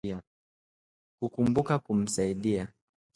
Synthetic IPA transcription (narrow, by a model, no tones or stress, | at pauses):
a | kukumbukakum̩saiɗia